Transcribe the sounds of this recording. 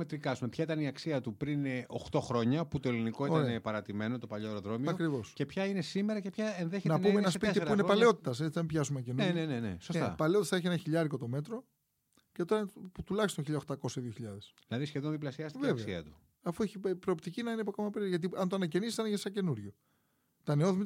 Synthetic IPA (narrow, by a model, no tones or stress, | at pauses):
met̪ɾikɐsumepçɐit̪ɐniɐksiɐt̪upɾinoxt̪o̞xɾo̞ɲɐput̪o̞eliniko̞ioɾɐeɐnepɐɾɐt̪ime̞no̞t̪opɐʎoeɾoðɾo̞mioɐkɾivo̞sce̞pçɐine̞simeɾɐcepçɐenðeçenɐpummeenɐspit̪iuinepɐle̞o̞t̪it̪ɐse̞t͡sinɐmipçɐs̬umeɐcenunenenenḛsost̪ɐɐ̰pɐleo̞t̪ɐsθɐeçienɐçiʎɐɾiko̞t̪o̞me̞t̪ɾo̞ | ce̞t̪o̞ɾɐput̪ulɐçst̪onçiʎɐxt̪ɐko̞seðioçiʎɐðesðilɐðisçeðonðiplɐsiɐst̪vevkesɐiɐt̪u̥ | ɐfueçipɾoːpt̪icinɐinepoko̞mɐpeɾiʝɐt̪iɐnt̪oɐnɐce̞nisisɐnçesɐce̞nuɾʝo̞ | t̪ɐneoðimi